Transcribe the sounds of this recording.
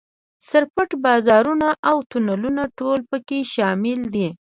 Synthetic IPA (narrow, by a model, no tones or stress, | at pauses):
saɾpəʈbɑzɑɾunaʔawt̪unalunaʈolpəkeʃɑmɪld̪i